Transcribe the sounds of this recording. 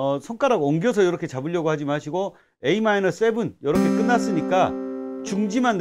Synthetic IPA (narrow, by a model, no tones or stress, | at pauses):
sʰʌŋk͈aɾaɡʌŋɡjʌsʰʌjʌɾʌkʰe̞t͡ɕabɯʎːʌɡohad͡ʑimaɕʰiɡo | e̞imainʌs͈e̞bunjʌɾʌkʰe̞k͈ɯnːas͈ɯɲik͈at͡ɕuŋd͡ʑimanː